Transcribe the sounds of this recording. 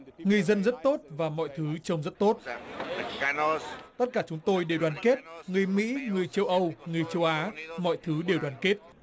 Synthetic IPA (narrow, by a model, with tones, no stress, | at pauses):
ŋɨ˨˩əjzə˧nzə˦˥t̚t̪o˦˥t̚vaː˨˩mɔ̰˧˨jt̪ʰɨ˨˦t͡ɕə˧wŋ͡mzə˦˥t̚t̪o˦˥t̚ | t̪ə˦˥t̚kaː˧˩t͡ɕʊ˨˦ŋ͡mt̪o˧jɗe˨˩wɗwaː˨˩nke˦˥t̚ŋɨ˨˩əjmḭ˧˥ŋɨ˨˩əjt͡ɕə˧wʔə˧wŋɨ˨˩əjt͡ɕə˧wʔaː˨˦mɔ̰˧˨jt̪ʰɨ˨˦ɗe˨˩wɗwaː˨˩nke˦˥t̚